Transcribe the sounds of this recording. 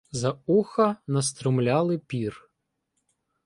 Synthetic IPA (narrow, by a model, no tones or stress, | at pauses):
zɐuxɐnɐst̪ɾʊmlʲɑlˠɪpʲir